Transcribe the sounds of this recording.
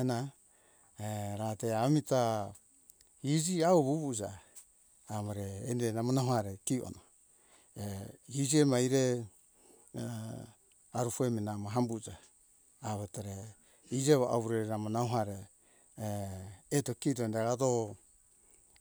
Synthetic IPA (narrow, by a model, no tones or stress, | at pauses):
na | ɾateamita | hid͡ʒiaoβuβud͡ʒa | amaɾeːndenamonahohaɾekiʔo̰na | ehid͡ʒiemajɾe | aɾufueminamaɦambud͡ʒaː | βataɾe | id͡ʒeβoʔa̰βuɾeɾeɾamonahuɦaɾe | tokitoendeɡato